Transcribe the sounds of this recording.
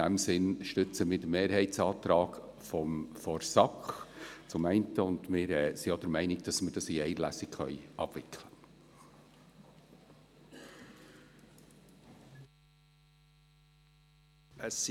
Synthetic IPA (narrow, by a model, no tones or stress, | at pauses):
æmsɪnʃtʏt͡səmɪːd̥əmeːɾhɛɪtsɑːt̪ɾɑːɡ | fɔmfɔɾsɑkχt͡sʊmɛɪntəʊndmɪːɾɛːsiod̥̪əɾmɛɪnɪɡ̚d̥ɑsməɾd̥ɑsiɛɪlæsɪkχœ̰ʏʔɑ̰b̥ʋɪkʰlə | əs